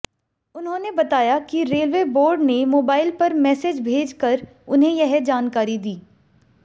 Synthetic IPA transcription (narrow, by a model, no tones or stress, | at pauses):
ʊnɦõːnebɐt̪aːjakiɾeːlʋeːboːɾɖnemoːbaːɪlpɐɾmɛːsed͡ʒbʱeːd͡ʒkɐɾ | ʊnɦẽjɐɦd͡ʒaːnkaːɾid̪iː